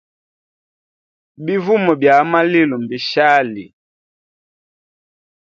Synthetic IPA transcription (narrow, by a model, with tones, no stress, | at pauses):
bi˦vu˦mɔ˨bja˨˦ma˦li˦lu˨m˨bi˨ʃa˦lḭ˨